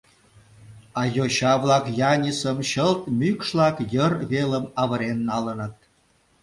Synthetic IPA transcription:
ɑjoɕɑβlɑkjɑnʲisəmɕəlt̪̚mykʃlɑkjərβeləmɑβəɾenːɑlənə̆t̪̚

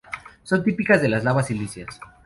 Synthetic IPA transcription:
so̞nt̪ipikazðe̞lazlaβasilisja̰s

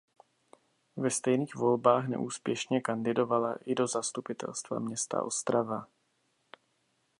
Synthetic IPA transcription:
vɛst̪ɛjniːɣvo̞lbaːxnɛ̰ʔuːspjɛʃɲɛkandɪdo̞valaʔɪdo̞zast̪upɪt̪ʰɛ̰lst̪va̰mɲɛst̪a̰ʔo̞̰st̪ɾava

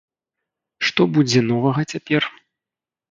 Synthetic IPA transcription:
ʂt̪ɔbud͡zʲɛnɔvɐɣɐt͡sʲapʲɛr

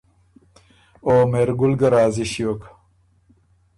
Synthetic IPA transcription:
oːmeɾɡulɡɐɾaːziɕjoːk

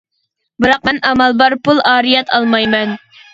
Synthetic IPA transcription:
bɨɾɑq̚mɛnʔɑmɑlˠbɑɾpulˠɑːɾijɛt̪ʰɑlˠmɑjmɛn

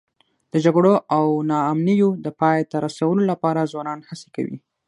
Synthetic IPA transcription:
d̪̥əd͡ʒaɡɽoʔawnɑːmnijod̪əpɑjt̪aɾasawəlolapɑɾazwɑnɑnhase̥ka̰wḭ

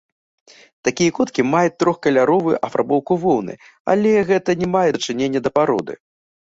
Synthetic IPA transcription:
t̪akʲijɐkɔt̪kʲimajut̪ːɾɔxkɐlʲaɾɔvɨʔɐfɾa̰bɔwkuvɔwnɨ̰ | a̰lʲɛɣɛt̪ɐnʲɛmajɛt͡ʂɨnʲenʲːɐd̪ɐpaɾɔ̰d̪ɨ̰

